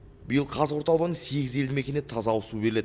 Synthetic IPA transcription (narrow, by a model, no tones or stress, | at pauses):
bɪjəlˠqʰɑzwo̞ɾt̪ɑlˠʁənəɴse̞ɡʲɪze̞lɪme̞kʲe̞net̪ʰɑzɑwʊsubeɾɪleɪ